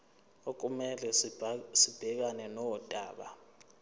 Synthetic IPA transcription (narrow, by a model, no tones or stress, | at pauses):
ok̬umɛlɛsib̥ʱɛk̬anɛnɔwɔtʼaːɓa